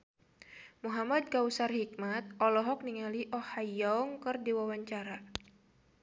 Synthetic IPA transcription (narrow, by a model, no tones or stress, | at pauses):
muɦamad̪̚kausarhikmat̪̚ʔɔlɔɦɔk̚niŋaliʔɔhajɔŋkɨrdiwawaɲt͡ʃaɾa